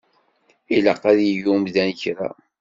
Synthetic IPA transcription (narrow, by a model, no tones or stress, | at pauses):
ilɑqːæðjəʝumðænçɾa̰